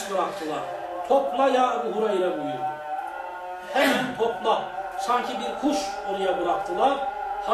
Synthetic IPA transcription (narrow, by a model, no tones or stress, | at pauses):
bɯɾak̚t̪ʰɯlˠa̰ɾ | t̪ʰopʰmˠajaɡuɦuɾajiɾabujuɾ | hɛnint̪ʰoplˠasaɲcʰibiɾkʰuʃonˠujabɯɾakt̪ʰɯlˠaɾha